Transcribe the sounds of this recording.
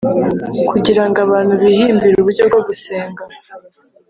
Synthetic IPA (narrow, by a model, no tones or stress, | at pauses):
kʰuɟiɾaŋɡaβaːnhuβihiːmbiɾuβuɾɟo̞b̚ɡo̞βuseːŋɡa